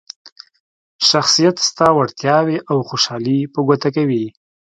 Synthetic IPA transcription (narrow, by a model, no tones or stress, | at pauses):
ʃaxsijat̪st̪ɑwaɽt̪jɑweʔawxoʃɑlipəɡot̪akawi